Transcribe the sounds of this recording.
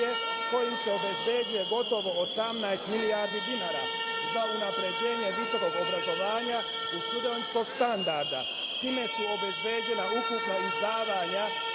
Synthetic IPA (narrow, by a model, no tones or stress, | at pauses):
e | ko̞jimseo̞be̞zbe̞ːd͡ʒijeɡo̞t̪o̞ʋo̞ːsamnajst̪miliaːɾd̪id̪inaːɾa̰ | zaunapɾe̞d͡ʑe̞ːɲeʋiso̞ko̞ɡo̞bɾazo̞ʋaːɲa | ut̪ud̪onsko̞ɡst̪and̪aɾd̪a̰ | t̪iːme̞suo̞be̞zbe̞ːd͡ʑe̞naukupnoizd̪aːʋaɲa